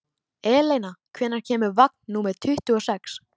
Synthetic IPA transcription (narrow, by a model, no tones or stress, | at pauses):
ɛːlejnakʰvɛːnːaɾ̥cʰɛːmʏɾvak̚nːuːmɛɾ̥t̪ʰʏht̪ʏɔsɛks